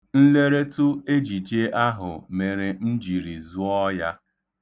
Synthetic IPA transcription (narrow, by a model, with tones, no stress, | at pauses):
n̩˦le˦ɾe˦tʊ˦e˦d͡ʒi˨t͡ʃe˦a˦ɦʊ̰˨me˨ɾe˨n̩˦d͡ʒi˨ɾi˨zu˦ɔ˦ja˦